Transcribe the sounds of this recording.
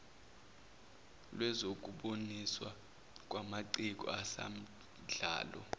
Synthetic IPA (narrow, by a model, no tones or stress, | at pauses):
lwɛzok̬ʼuɓoniswa | k̬ʼwamaǀik̬ʼɔ̰asa̰m̩ | ɮa̰ːlɔ̰